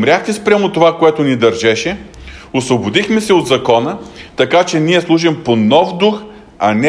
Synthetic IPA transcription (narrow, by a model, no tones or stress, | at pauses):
mɾʲaxt̪ɛspɾʲamot̪ovakoɛt̪ʊnid̪ɐɾʒɛʃɛosvobʊd̪ixmɛsɛod̪zɐkɔnət̪ɐkat͡ʃɛniɛslˠuʒɛmponɔfd̪ux | ɐnɛ